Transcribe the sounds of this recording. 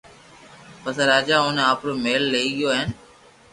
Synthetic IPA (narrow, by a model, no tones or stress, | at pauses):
pəsəɾaːd͡ʒaːʊnaːpɾoːmeːlːeiːɠɪjoːɦɪn